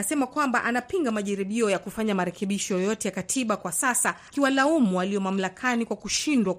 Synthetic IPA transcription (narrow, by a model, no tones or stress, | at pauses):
asɛmakwambaʔanapiŋɡamaʄaɾiɓiɔjakufaɲamaɾɛkɛɓiʃɔjɔjɔtɛjakatʰiɓakwasasakiwalaumuwaliɔmam̩lakʰanikwakuʃindwa